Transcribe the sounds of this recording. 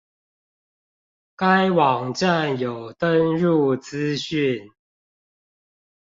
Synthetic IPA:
ka˦ɪwɑ˨˩ŋʈ͡ʂa˥˨njo˨ʊt̪ə˦nɻu˥˨t͡sɹ̩˦ɕy˥˨n

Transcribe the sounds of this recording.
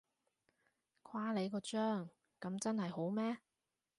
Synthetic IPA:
kʷʰwaː˥le˨˧jkɔː˧t͡ʃœː˥ŋ | kɐ˨˥mt͡sɐ˥nhɐ˨jho˨˥wmɛː˥

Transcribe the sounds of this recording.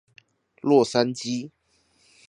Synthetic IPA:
lwɔ˥˨sa˦nt͡ɕi˦

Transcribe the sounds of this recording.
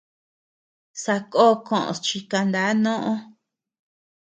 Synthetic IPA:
sa˧koː˦˧kõ̰˨ʔõ̰˨t͡ʃi˧ka˧nd̪a˨˦nõ˦ʔõ˦

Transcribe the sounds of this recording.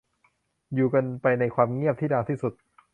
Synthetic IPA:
juː˨˩ka˧npa˧jna˧jkʰwaː˧mŋi˥˩əp̚t̪ʰiː˥˩daː˧t̪ʰiː˥˩su˨˩t̪̚

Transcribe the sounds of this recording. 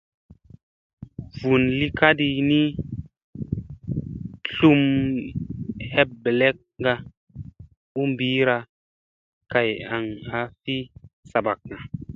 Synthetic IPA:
vu˨nli˦ka˦di˧ni˦ | ɬu˧m | he˦p̚be˨le˦k̚ŋ˦ɡa˧ | u˦mbiː˨˦ɾa˧ | ka˨ja˨ŋa˨fi˦sa˨ba˨k̚na˨

